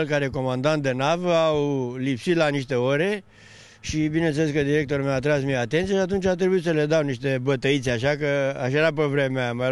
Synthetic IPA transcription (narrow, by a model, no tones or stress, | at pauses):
lkaɾe̞ko̞mand̪ant̪̚d̪e̞navəawlipsit̪laniʃt̪e̞oɾe̞ | ʃibine̞nt̪seleskəd̪iɾe̞k̚t̪o̞ɾumewat̪ɾasmieat̪ent̪sieʃat̪unt͡ʃʲat̪ɾebuit̪səle̞d̪awniʃt̪e̞bət̪əit̪seaʃakəa̰ʃaeɾap̬əvɾe̞meama